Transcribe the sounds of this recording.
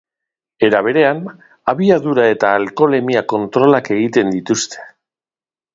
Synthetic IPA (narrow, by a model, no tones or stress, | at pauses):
e̞ɾaβ̞e̞ɾe̞an | aβiaðuɾae̞t̪aːlko̞le̞miako̞nt̪ɾo̞lake̞ɣ̞it̪e̞nd̪it̪ust̪ʰe̥